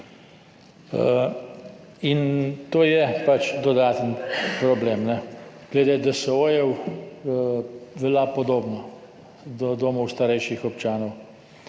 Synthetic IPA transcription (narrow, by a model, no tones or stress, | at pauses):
ə | int̪oːjɛpat͡ʃd̪ɔd̪aːt̪ənpɾɔbleːmnɛɡ̥led̪ed̪asɛojɛw | ʋɛlapɔd̪oːbnɔ | d̪ɔd̪oːmɔwst̪aɾɛjʃixɔp̚t͡ʃaːnɔw